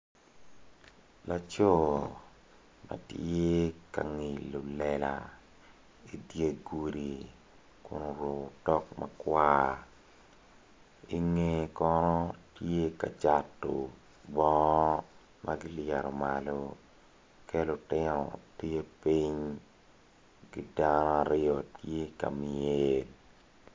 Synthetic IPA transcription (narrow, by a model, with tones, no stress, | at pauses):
la˨t͡ʃo˦ | ma̰˨tje˦ka̰˨ŋi˨lːo˨lɛ˨la̰˨ | i˨dje˦ɡu˦ɾi˨ | kʊ̰˦no˨ɾo˨tɔ˦kma˨kwa˦ | i˦ŋe˦kɔ˦nɔ˦tje˦ka˨t͡ʃa˨tːo˨ | bɔ˦ | mʔa˦ɡi˦ljɛ˨ɾɔ˨ma˨lo˨ | kɛ˦lʊ˨tɪ˦nɔ̰˨tje˦pi˦ɲ | ki˦danɔ˦a˨ɾɪ˦ɔ˨tje˦ka̰˨mi˨e˦l